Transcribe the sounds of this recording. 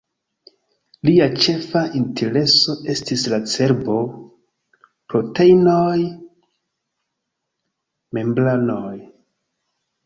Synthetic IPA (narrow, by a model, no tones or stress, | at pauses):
liat͡ʃe̞faʔintʰe̞ɾe̞so̞ʔe̞stislat͡se̞ɾbo̞ | pɾo̞te̞jnoj | me̞mblanoj